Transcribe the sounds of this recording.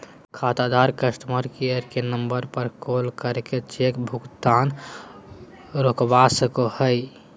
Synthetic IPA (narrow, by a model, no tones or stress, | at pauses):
kʰat̪ad̪aɾkəsʈ̪məɾkiəɾkenəmbəɾpəɾkolkəɾket͡ʃekbʱukt̪an | ɾokbasəkohəj